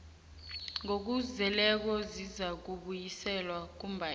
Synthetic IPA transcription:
ŋok̬uzɛlɛk̬ɔzizak̬uɓujisɛlwak̬umbʱa

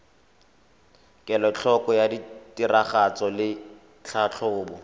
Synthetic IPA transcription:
kʼɛlɔt͡ɬʰɔkʼɔjaditʼiraχat͡sɔlɪ | t͡ɬʰat͡ɬʰɔʊːbʊ

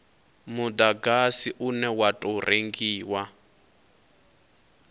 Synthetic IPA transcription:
mudaɡasiʔunɛwatʼɔrʔeŋɡiːwa

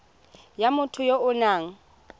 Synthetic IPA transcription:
jamʊtʰʊjoʊnaːŋ̩

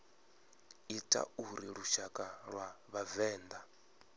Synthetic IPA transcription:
itʼa̰uɾiɺuʃakʼaɺwaβavɛːnd̪a

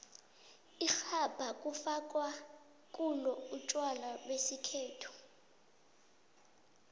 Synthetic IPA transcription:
ixab̥ʱakʼufakʼwa | kʼulɔut͡ʃʼwalalwesikʰeːtʰu̥

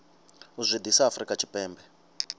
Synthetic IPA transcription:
uzʷid̪isaafrikʼat͡ʃʰi̥pʼɛːmbɛ

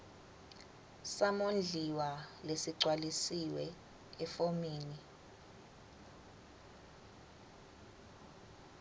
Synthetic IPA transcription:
samond͡ɮʱiwalesiǀwalisiwɛ | ɛfomiːni

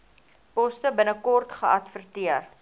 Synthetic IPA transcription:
pɔstəbənəkɔrtχəɐtfərtiər

